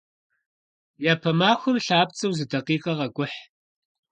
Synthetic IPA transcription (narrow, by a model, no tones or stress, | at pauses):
jaːpʰɐmaːxʷʊmɬaːp̚t͡sʼɐwzɨdɐqiːqʼɐʁɐɡʷʊħ